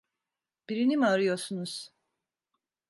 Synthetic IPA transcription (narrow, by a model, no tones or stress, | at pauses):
b̥iɾinimiaɾɯjo̞ɾsunuz̥